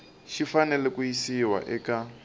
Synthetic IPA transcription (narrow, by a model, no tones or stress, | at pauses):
ʃifanɛlɛkujisiwa̰ʔɛka